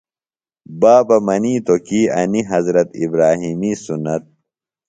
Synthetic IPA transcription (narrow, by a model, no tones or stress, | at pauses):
baːbɐmɐniːt̪okiːɐniɦɐzɾɐt̪ḭbɾaːɦiːmisunɐt̪̚